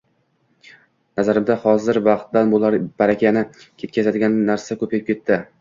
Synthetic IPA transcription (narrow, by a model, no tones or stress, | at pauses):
nazaɾɪmd̪ahɒzɪɾvɑqt̪d̪anbolˠb̥aɾakʲʰanɪ | kʲʰe̞t̪̚kʲasad̪ɪɡʲannːaɾsakʰɵpʰajɪp̚kʲe̞t̪ʰːɪ